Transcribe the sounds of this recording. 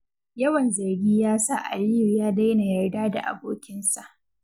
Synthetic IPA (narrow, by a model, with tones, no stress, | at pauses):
jɐ˦wɐ˨nzɐ˨rɡʲiː˦jaː˦sa˦ʔa̰˨ɽiː˦jjaː˦da˦jna˨jɐ˨rdaː˦da̰˨ʔa̰˨boː˦kʲɪ˦nsa˨ʔ